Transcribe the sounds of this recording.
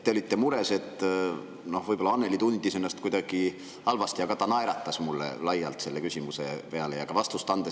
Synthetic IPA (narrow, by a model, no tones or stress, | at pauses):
t̪ːeolit̪ːe̞muɾe̞se̞t̪ː | no̞hvɤjbo̞lːɑɑnːe̞lit̪und̪ise̞nːɑst̪̚kujd̪̥ɑɡ̥i | hɑlvɑst̪iɑɡɑt̪ɑnɑeɾɑt̪ːˑɑsmulːḛlɑjːɑlt̪se̞lːe̞kysʲimuse̞̰pe̞ɑlejɑkɑvɑst̪ust̪ɑnd̪̥e